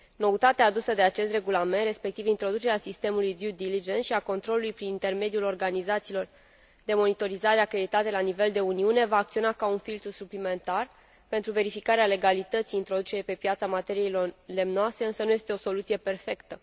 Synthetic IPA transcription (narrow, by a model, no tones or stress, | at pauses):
no̞ut̪at̪eaːd̪usəd̪e̞at͡ʃe̞st̪re̞ɡulame̞nt̪re̞spe̞k̚t̪ivint̪ɾo̞d̪ut͡ʃe̞ɾeasist̪e̞mulujd̪jud̪ilid͡ʒe̞nsʃiako̞nt̪ɾo̞lulujpɾinint̪e̞rme̞d̪iulo̞rɡanizat̪silo̞r | d̪e̞mo̞nit̪o̞ɾizaɾeakɾe̞d̪it̪at̪e̞lanive̞ld̪e̞uniune̞vaːkt̪sio̞nakaunfilt̪ɾusuplime̞nt̪ar | pent̪ɾuve̞ɾifikaɾeale̞ɡalit̪ət̪sijːint̪ɾo̞d̪ut͡ʃeɾepe̞pjat̪samat̪e̞ɾijele̞mnoase̞ɨnsənuje̞st̪eo̞so̞lut̪sije̞pe̞rfe̞kt̪ə